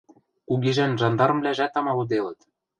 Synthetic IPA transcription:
kuɣeʒænʒɑnd̪ɑɾɤ̆mvlʲæʒæt̪ɑmɑlud̪elɤ̆t̪

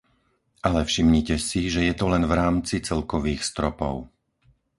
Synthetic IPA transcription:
ʔalɛfʃimɲicɛsiʒɛjɛt̪ɔlɛnvɾaːmt͡sit͡sɛlkɔʋiːxst̪ɾɔpɔ̰ʊ

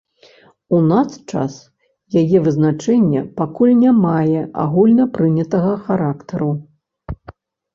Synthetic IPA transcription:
unast͡ʂa̰s | jajɛvɨznat͡ʂɛnʲːɐ̰pakulʲnʲamajɛʔa̰ɣulʲnɐpɾɨnʲɐt̪ɐɣɐxaɾakt̪ɐɾu

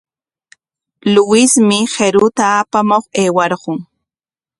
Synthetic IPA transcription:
lʊwɪsmɪxeɾʊt̪aːpamoχeːwɑɾɢʊŋ

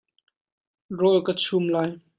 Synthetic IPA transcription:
rɔlkət͡sʰumlaːj

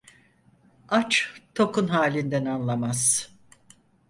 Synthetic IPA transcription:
at͡ʃt̪ʰo̞kʰunɦaːlʲind̪ænanlˠamaz̥

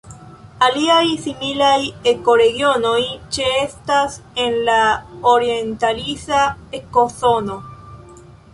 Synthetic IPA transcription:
aliajsimilajeko̞ɾeɣjo̞no̞jt͡ʃeestasenlaoɾjent̪alisaekosono

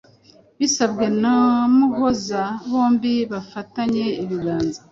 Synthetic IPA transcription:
βisabɡe̞namuɡozaβo̞ːmbiβafataɲe̞iβiɾaːnza

